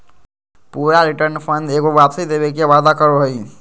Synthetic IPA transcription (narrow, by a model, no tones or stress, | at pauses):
puːɾaɾiʈəɾnpʰənd̪eɡoʋapsid̪ebekeʋad̪akəɾoɦoi